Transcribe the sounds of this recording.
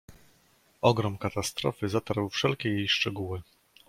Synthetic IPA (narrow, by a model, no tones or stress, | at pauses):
ʔɔɡɾɔmkat̪ast̪ɾɔ̰fɘzat̪aɾwfʂɛlkʲɛjejʂt͡ʂɛɡuwɘ